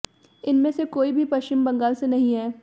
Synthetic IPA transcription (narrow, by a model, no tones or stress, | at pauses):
ɪnmẽsekoːibʱipɐʃt͡ʃɪmbɐ̃ŋɡaːlsenɐɦĩɦɛː